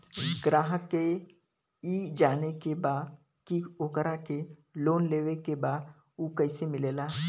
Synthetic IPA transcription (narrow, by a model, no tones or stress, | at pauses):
ɡɾaːɦke | id͡ʒaːnekebaːd̪ | kioːkəɾakeloːnleːʋekebaːd̪ | uːkɛɪsemɪleːlaː